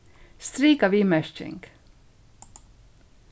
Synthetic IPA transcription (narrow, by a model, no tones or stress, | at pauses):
st̪ɾiːkəʋiːmœʃt͡ʃɪ̰ŋɡ